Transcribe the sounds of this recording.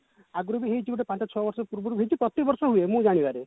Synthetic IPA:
aɡuɾubiɦeit͡ʃʰibuʈepãt͡ʃɔt͡ʃʰɔbɔɾsɔpuɾbɔɾubɦejt͡ʃʰipɾɔt̪ibɔɾsɔɦuemũd͡ʒaɽ̃ibaɾe

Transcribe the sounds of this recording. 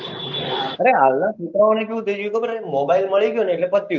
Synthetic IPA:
əɾeɦalnat͡ʃut̪ɾəonek̬eud̪ed͡ʒikopəɾemobailməɭiɡjoneeʈlepət̪ːi

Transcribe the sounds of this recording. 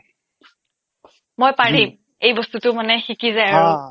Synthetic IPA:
mojpaɹim | ejbɔstutʊmanɛxikizajaɹɔ̃

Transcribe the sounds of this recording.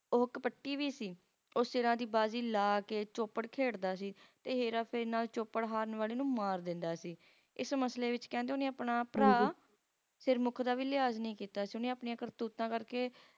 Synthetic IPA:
oːkpəʈːiːʋiːsiː | oːseːɾãːd̪iːbaːziːlaːkeːt͡ʃoːpəɽkʰeːɽd̪aːsiːt̪eːɦeːɾaːpʰɪɾnaːlt͡ʃoːpəɽɦaːɾnʋaːleːnũːmaːɾd̪ɪ̃nd̪aːsiː | ɪsməsleːʋɪt͡ʃkɛ̃ːnd̪eoːnẽːaːpɳaːpɾaː | sɪɾmʊkʰd̪aːʋiːlɪaːznĩːkiːt̪aːsiːʊnĩːaːpɳĩãːkəɾt̪uːt̪ãːkəɾkeː

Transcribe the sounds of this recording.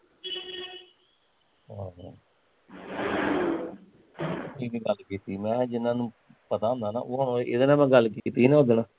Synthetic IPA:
aː | iːnĩːɡəlkiːt̪iːmɛ̃ːɦãːd͡ʒɪnːãːnũː | pət̪aːõnd̪aːna̰ːʔoːɦoñoːeʔɪd̪ənãːmɛ̃ːɡəlkiːt̪iːnãoːd̪enaː

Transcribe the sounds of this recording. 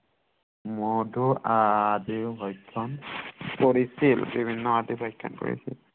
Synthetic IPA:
mɔdʊadiɦɔjkʰːɔnkoɹisilbibʱinːɔadibʱɔjkʰːɔ̰nko̰ɹḭsḭl

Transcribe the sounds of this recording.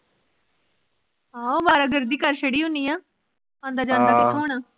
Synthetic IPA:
ɦãːoːbaːɾaːɡəɾd̪iːkəɾʃəɽiːɦʊ̃niːãː | ãːnd̪aːd͡ʒãːnd̪aik̪ʰoːɳaː

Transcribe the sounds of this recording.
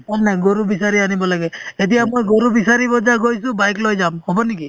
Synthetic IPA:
annaɡoɹubisaɹianibɔlaɡɛet̬ijamojɡoɹubisaɹibɔzaɡojsʊ̃bajklojzamhɔbɔniki

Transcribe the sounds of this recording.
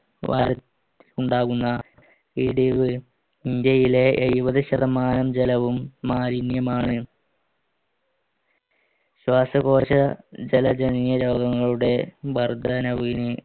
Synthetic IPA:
ʋa̰ːɾɐt̪ː | i̥luɳɖaːɣunːɐ | iɽiʋɨ | ind̪jɐjile̞ejʋɐðɨɕɐðɐmaːnɐmd͡ʑelɐʋumːaːɾinjɐmaːɳɨ | ɕwaːsɐɣo̞ːɕɐd͡ʑelɐd͡ʑenijɐɾo̞ːɡɐŋːɐɭuɽe̞bʱɐrd̪ɐnɐʋiinɨ

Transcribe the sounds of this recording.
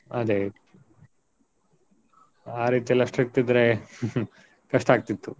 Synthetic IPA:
ɐd̪e | aːɾiːt̪iɛlːɐʂʈɾik̚t̪id̪ɾe | kɐʂʈaːɡ̚t̪it̪ːu

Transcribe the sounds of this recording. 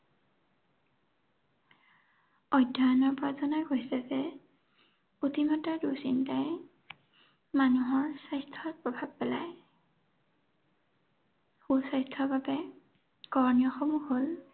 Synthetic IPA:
ɔjdʱːaanɔɹpɔɹazɔnajɡojsɛzɛ | otimɔtadusintaj | manuɦɔɹsajstʰɔpɹɔbʱab̚pɛlaj | xusajstʰɔbabɛ | kɔɹnijɔxɔmuɦol

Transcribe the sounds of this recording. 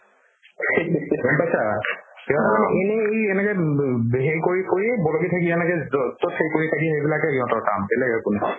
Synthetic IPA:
bɔmpajsaiɔ̃tɔkaenɛejɛnɛkɛɦejkoɹikoɹibɔlokitʰakiɛnɛkɛɔtɔthejkoɹitʰakiɦejbilakɛɦiɔ̃tɔɹkamɛlɛkɛkʊnɛ

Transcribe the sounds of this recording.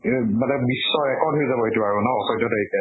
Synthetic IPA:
madɛbisːɔɛkɔdʱuizabɔɦetuaɹunɔɔsɔjtɔteɹikɛ

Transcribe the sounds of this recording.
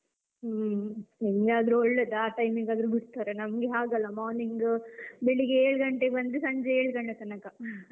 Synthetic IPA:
iŋɡeɐd̪ɾuɔɭːed̪aːʈɐjmiɡaːd̪ɾubiɽt̪aːɾenɐmɡeɦaːɡɐlːɐmaːniŋɡbɛɭiɡeeːɭɡɐɳʈebɐnd̪usɐɲd͡ʒeeːɭɡɐɳɖet̪ɐnɐkːa

